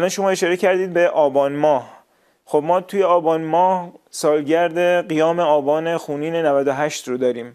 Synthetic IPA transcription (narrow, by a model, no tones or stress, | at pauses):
ælɒːnʃo̞mɒːe̞ʃɒːɾecʰæɾd̪iːd̪̚beʔɒːbɒːnmɒːh | xobmɒːt̪ʰuːjeɒːbɒːnmɒːhsɒːlɟæɾd̪e̞ɢijɒːmeɒːbɒːne̞xuːniːnenævæd̪oɦæʃt̪rod̪ɒːɾiːm